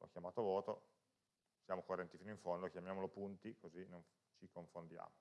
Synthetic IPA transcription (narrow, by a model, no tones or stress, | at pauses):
lʔɔ̰k̟ːjamaːt̪ovɔːt̪o | sjaːmokorːɛnt̪ifiːnoiɱfond̪okjamjaːmolopunt̪ikozinon | t͡ʃikoɱfond̪ja̰ːmo